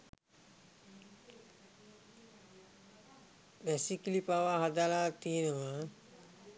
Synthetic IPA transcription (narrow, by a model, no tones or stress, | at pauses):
ʋæsikilipaʋaɦad̪alaːt̪ienəʋa